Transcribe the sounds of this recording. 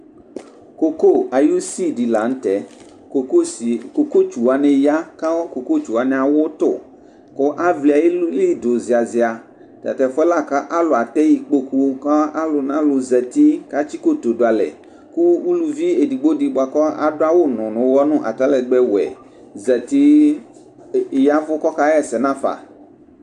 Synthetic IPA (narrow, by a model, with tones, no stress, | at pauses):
ko˦ko˦a˨ju˦si˦di˨la˨n̩˦t̪ɛ˨˦˨ | ko˨ko˦t͡ʃu˨wa˨nɛ̃˨ja˦ka˦ɔ˦ko˨ko˦t͡ʃu˨wa˨nɛ˨a˨wʊ˦t̪ʊ˦˨ | kʊ˦ʔa˦vli˨a˨je˦li˦do˨zi˨a˨zɪ˨a˨ | t̪a̰˨t̪ɛ˨fɛ˦la˦ka˦ʔa˦lʊ˨a˨t̪ɛ˦ji˨k͡po˦ku˦ka˦a˦lʊ˨nã˦lʊ˨zɛ˨t̪i˦ka˦t͡ʃi˦ko˦t̪o˨dʊ˨a˨lɛ̰˨ | ku˦u˦lu˨vi˦e˨di˨ɡ͡bo˦di˨bʊ˨a˨kɔ˦a̰˨dʊ˦a˦wo˦nʊ̃˨nʊ̃˨˦wɔ˦nʊ̃˦ʔa̰˨t̪a˦lɛ˨ɡ͡bɛ˦wɛ̰˨ | zɛ˨t̪i˦ | ja˦vʊ˦kɔ˦ka˦ɛ˦˨sɛ˨nã˦fa̰˨